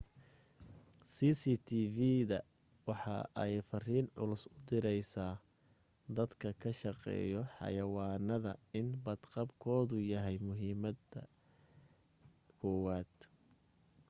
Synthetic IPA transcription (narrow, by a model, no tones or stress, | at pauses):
siːsiːt̪ʰiːviðɐ | wɑħɑ̰ʔɛjfɐriːnʕʊ̰lʊsʊd̪ɪɾɛjsaː | d̪ɐd̪kʰɐkʰɐʃɑqɛ̰ːjɔħɑ̰jɐwɑːnɐðɐɪnbɐd̪qɑbkʰɔːðʊjɐɦɛjmʊɦiːmɐd̪ɐ | kʰɔwaːd̪̥